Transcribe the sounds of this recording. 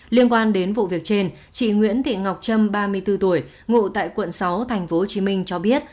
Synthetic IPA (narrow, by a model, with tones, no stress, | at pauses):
li˧ənkwaː˧nɗe˨˦nvṵ˧˨vi˨˩ək̚t͡ɕe˧n | t͡ɕḭ˧˨ŋwḭ˧˥ənt̪ḭ˧˨ŋa˨˩wk͡p̚t͡ɕə˧mɓaː˧mɨ˧əjt̪ɨ˧t̪u˧˩əj | ŋṵ˧˨t̪a̰ː˧˨jkwə̰˧˨nsa˨˦wt̪ʰa˨˩jŋ̟fo˨˦ho˨˩t͡ɕi˨˦mï˧ŋ̟t͡ɕɔ˧ɓi˦˥ət̚